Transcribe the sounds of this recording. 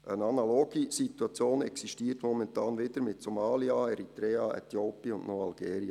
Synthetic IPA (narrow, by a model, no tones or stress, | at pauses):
ʔənɑnɑloɡ̥isituɑt͡sjoːnɛksiʃtiːtmɔmɛntɑːnʋɪd̥əɾmɪtsomɑːliɑɛɾit̪ɾɛːɑɛ̰t̪joːpiʊndnɔɑlɡ̥ɛːɾiɑ